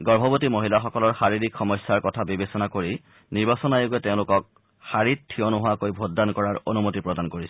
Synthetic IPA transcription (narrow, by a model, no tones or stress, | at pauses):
ɡɔɹbʱɔbotimoɦilaxɔkɔlɔɹxaɹiɹikxɔmɔjsːaɹkɔtʰabibesɔnakoɹi | niɹbasɔnajoɡuɛteʊ̃lʊkɔk̚ | xaɹit̚tʰːiɔnoɦʊakojbʱod̚dankɔɹaɹo̰numotipɹɔdankoɹisɛ̥